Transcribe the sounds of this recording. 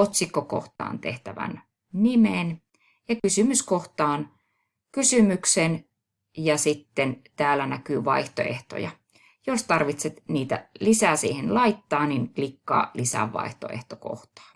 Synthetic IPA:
ot̪sikːoko̰ht̪ɑ̰ːnt̪ḛht̪æʋæ̰n | nimen | jɑkysymyskoxt̪ɑːn | kysymyksen | jɑsit̪ːent̪æːlænækyːʋɑiht̪oḛht̪o̰jɑ̰ | jost̪ɑrʋit̪set̪niːt̪æ̰lisæːsḭːhenlɑit̪ːɑːninklikːɑ̰ːlisæ̰ʋʋɑ̰iht̪o̰ḛht̪oko̰ht̪ɑ̥ː

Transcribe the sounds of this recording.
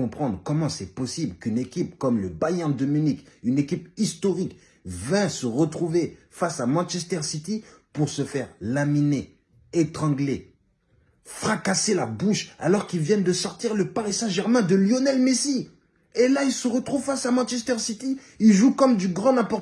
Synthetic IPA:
ɔ̃pχɑ̃d̪ʁkɔmɑ̃sɛpɔsiblkynekʲip̚kɔmləbajɛ̃d̪ɔminikynekʲipist̪ɔʁik | vɛ̃səʁət̪χuve | fasamɑ̃nʃɛst̪ɛʁsit̪ipuʁsəfɛʁlamineː | t̪χɑ̃ɡle | fχakaselabuʃa̰lɔʁkilvjɛnd̪əsɔʁt̪iʁləpaʁisɛ̃ʒɛʁmɛ̃d̪əljonɛlmesi | elailsəʁət̪χuvfasamɑ̃ʃɛst̪ɛʁsit̪i | ilʒukɔmd̪yɡʁɑ̃nɛ̃pɔʁ

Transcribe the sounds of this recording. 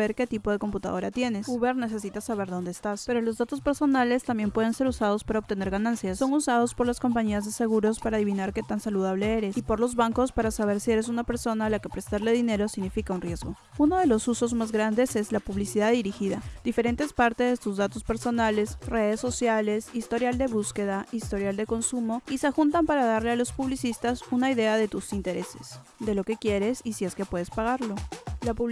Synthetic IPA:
eɾke̞t̪ipo̞ðe̞ko̞mput̪a̰ðo̞ɾat̪je̞ne̞suβeɾne̞se̞sit̪asaβe̞ɾðo̞nd̪eːst̪aspe̞ɾo̞lo̞zðat̪o̞spe̞ɾso̞nale̞st̪ambje̞mpwe̞ð̞e̞nse̞ɾusað̞o̞spaɾaot̪e̞ne̞ɾɣanãnsjasso̞ŋusað̞o̞spo̞ɾlasko̞mpaɲiazðe̞se̞ɣ̞uɾo̞spaɾaːðiβ̞inaɾke̞t̪ansaluð̞aβ̞le̞e̞ɾe̞sipo̞ɾlo̞zβaŋkospaɾasaβe̞ɾsie̞ɾe̞sunape̞ɾso̞naːlake̞pɾest̪aɾle̞ðine̞ɾo̞siɣnifikaunrjezɣo̞ | uno̞ð̞e̞lo̞suso̞zmazɣɾand̪e̞se̞zlapuβlisiðaðiɾixiðad̪ife̞ɾe̞nt̪e̞spaɾt̪e̞zðet̪uzðat̪o̞spe̞ɾso̞nale̞sre̞ðe̞sːo̞sjale̞sist̪o̞ɾjald̪e̞βuske̞ðaist̪o̞ɾjald̪e̞ko̞nsumo̞isexunt̪ampaɾaðaɾle̞alo̞spuβlisist̪asunaiðe̞aðe̞t̪usint̪e̞ɾe̞se̞̥s | d̪e̞lo̞ke̞kje̞ɾe̞sisie̞ske̞pwe̞ðe̞spaɣ̞aɾlo̞lapuβ

